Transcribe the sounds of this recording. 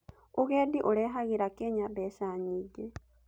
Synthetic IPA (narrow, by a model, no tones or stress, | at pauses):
uɣeːdiʔoleɦaɣiɾakeɲaβesaːɲiɟe